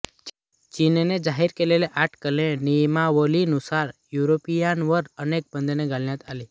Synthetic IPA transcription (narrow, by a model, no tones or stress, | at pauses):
t͡ʃinned͡ʒaɦiɾkeleleʔaʈʰkəlẽnijmaʋəlinusaɾjuɾopijanʋəɾənek̚bə̃nd̪ʱneɡaljãt̪ʰali